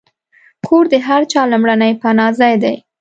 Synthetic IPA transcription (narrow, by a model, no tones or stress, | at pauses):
kʰoɾd̪əɦaɾt͡ʃɑlʊmɽanəjpanɑzajd̪aj